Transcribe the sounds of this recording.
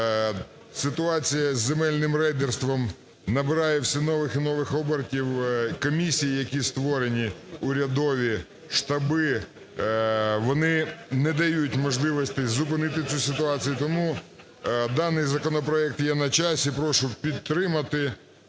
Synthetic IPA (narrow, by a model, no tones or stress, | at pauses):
sɪt̪ʊɑt͡sʲijɐzʲːemɛlʲnɪmrɛjd̪erst̪ʋɔm | nɐbɪɾɑjɛwsʲinɔʋɪxinɔʋɪxɔbertʲiwkɔmʲisʲijijɐkʲist̪ʋɔɾenʲiʊɾʲɐd̪ɔʋʲi | ʃt̪ɐbɪ | ʋɔnɪnɛd̪ɐjutʲmɔʒlˠɪʋɔsʲt̪ɪzʊpɪnɪt̪ɪt͡sʲusʲɪt̪ʊɑt͡sʲijut̪ɔmu | d̪ɑnɪjzɐkɔnɔpɾɔɛk̚t̪jɛnɐt͡ʃɑsʲipɾɔʃʊpʲid̪̚t̪ɾɪmɐt̪ɪ